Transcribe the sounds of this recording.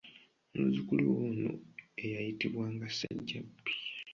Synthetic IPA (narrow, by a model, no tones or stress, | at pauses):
muzikuluβuno̰e̞jajitiβwaːŋɡasaɟːabi̥